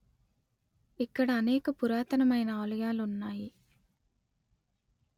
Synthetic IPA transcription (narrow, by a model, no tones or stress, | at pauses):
ekːɐɽɐɐneːkɐpuɾaːt̪ɐnɐmɐjnɐaːlɐjaːlunːaːji